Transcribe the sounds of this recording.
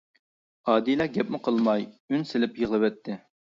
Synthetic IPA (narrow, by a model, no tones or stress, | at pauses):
ɑːd̪ijlˠɑɡʲɛpmɪqʰəlˠmɑjynsɪlɪpjəʁlˠɨvɛt̪ʰːɪ